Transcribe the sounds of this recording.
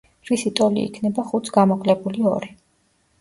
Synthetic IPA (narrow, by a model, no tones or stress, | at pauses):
ɾisit̪ʼɔlḭːkʰnɛbaχut̪sʰɡamɔkʼlɛbuliɔɾi